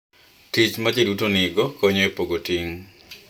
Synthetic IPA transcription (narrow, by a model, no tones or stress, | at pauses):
tit͡ʃmad͡ʒedutonɪɡɔkɔɲɔepoɡotiŋ